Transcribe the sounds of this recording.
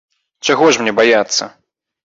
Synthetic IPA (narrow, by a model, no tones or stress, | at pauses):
t͡ʂaɣɔʂmnʲɛbajat̪sːɐ̰